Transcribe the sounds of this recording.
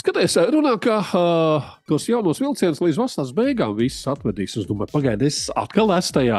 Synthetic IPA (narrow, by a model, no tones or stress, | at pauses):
skat̪iːsɾunaːka | t̪uɔsjawnuɔsvilˠt̪iɛnslˠiːd̪zvasaːs̬bɛjɡaːmvissat̪ʋɛd̪iːsuzd̪umaɾpaɡajd̪esa̰t̪kalˠæst̪ajaː